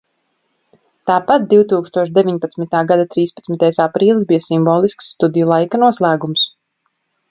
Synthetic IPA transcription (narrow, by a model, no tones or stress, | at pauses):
t̪aːpat̪̚d̪iwt̪uːkst̪uɔʃd̪evʲiɲpat̪smit̪aːɡad̪at̪ɾiːspat̪mit̪ajsapɾiːlˠisbijasimbɔːlˠisksːt̪ud̪ijulˠajkanuɔslˠæːɡums